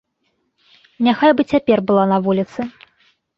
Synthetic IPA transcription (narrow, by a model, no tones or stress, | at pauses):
nʲaxajbɨt͡sʲapʲɛrbɨlˠanɐvulʲit̪sɨ